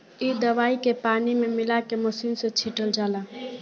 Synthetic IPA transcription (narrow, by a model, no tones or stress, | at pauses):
id̪əʋaːikepaːnimemɪlakeməsinset͡ʃʰiʈəld͡ʒaːla